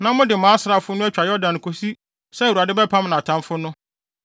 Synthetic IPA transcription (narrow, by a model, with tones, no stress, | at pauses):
nã˦mʊ̃˦dɪ˨mãː˨˦sɾa˨fʊ˦nʊ̃˦ɛ˦t͡ɕᶣa˨jɔ˦dã˨n˨kʰo˨si˦ | sɛ˦˨wu˨a˨dɪ˦bɛ˦pʰã˦m˦nã˨tʰã˦nfʊ˦nʊ̃˦